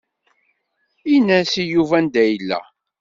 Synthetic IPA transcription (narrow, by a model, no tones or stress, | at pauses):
inæsijuvænd̪æjəlːæ̰